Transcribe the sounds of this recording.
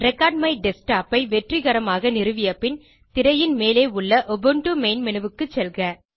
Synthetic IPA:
ɾɛkːaːɖ̚mɐɪɖɛsʈaːpɐɪʋɛʈriɣɐɾɐmaːɣɐnɪɾɯʋɪjɐpːɪn | t̪ɪɾɐjɪnmeːleːʊɭːɐʔɔbɯɳʈumeɪnmɪnɯʋɯkːɯt͡ʃːɛlɣɐ

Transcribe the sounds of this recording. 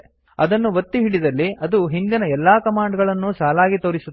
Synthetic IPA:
ɐd̪ɐnːuʋɐt̪ːiɦiɽid̪ɐlːiɐd̪uɦind̪inɐɛlːaːkɐmaːɳɖɐɡɐɭɐnːusaːlaːɡit̪oːɾisu

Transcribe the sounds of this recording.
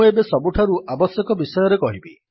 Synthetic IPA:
ebesɔbuʈʰaɾuʔabɔsjɔkɔbisɔjɔɾekɔɦibi

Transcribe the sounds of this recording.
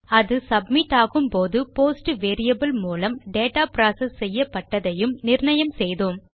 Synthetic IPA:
ɐðɯsɐbmɪʈːaːɣɯmpoːðɯpoːsʈʋeːɾɪjɐbɐlmuːlɐmɖeːʈaːpɾaːsɐsːɛjːɐpːɐʈːɐðɐjɯmnɪrɳɐjɐmsɛjðoːm

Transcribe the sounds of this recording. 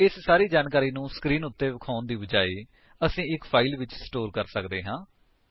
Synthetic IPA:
ɪssaːɾiːd͡ʒaːnkaːɾiːnũːsə̥kɾiːnʊt̪ːeːʋɪkʰaːʊnd̪iːbəd͡ʒaːiː | əsĩːɪkpʰaːiːlʋɪt͡ʃsʈoːɾkəɾsəkd̪eːɦãː

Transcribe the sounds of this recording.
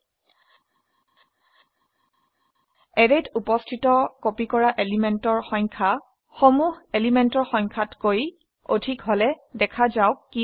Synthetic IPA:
ɛɹetʰupɔstʰitɔkopikɔɹaʔelimɛntɔɹxɔŋkʰa | xomuɦelimentɔɹxɔŋkʰatkoj | o̰dʱikɦɔlɛdɛkʰazaʊki

